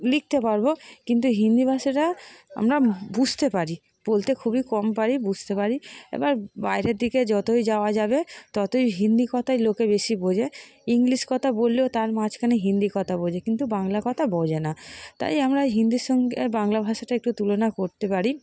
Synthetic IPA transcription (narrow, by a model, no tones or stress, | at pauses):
lik̚t̪epaɾbokint̪uɦind̪ibʱaʃaʈaa̰mɾabud͡ʑʱt̪epaɾi | b̥olt̪ekʰubikɔmpaɾibud͡ʑʱt̪epaɾiḛbaɾbajɾeɾd̪ʱiked͡ʑɔt̪ojd͡ʑaoad͡ʑabet̪ɔt̪ojɦind̪ikɔt̪ʰajlokebeʃibod͡ʑeiŋliʃkɔt̪ʰabolːeot̪aɾmad͡ʑkʰaneɦind̪ikɔt̪ʰabod͡ʑekint̪ubaŋlakɔt̪ʰabod͡ʑenat̪a̰jamɾaɦind̪iʃɔŋɡebaŋlabʱaʃaʈaek̚ʈut̪ulonakoɾt̪epaɾi